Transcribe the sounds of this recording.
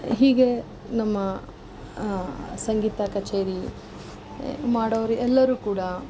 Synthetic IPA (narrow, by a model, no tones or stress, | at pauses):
ɦiːɡe̞ | nɐmːɐ | sɐŋɡiːt̪akɐt͡ʃeːɾi | maːɽoʋɐɾiʔɛlːɐɾuːkuːɽɐ